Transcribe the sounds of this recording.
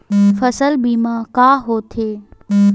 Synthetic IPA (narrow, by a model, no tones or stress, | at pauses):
fɐsəlbiːmãːkaːɦoːt̪ʰeː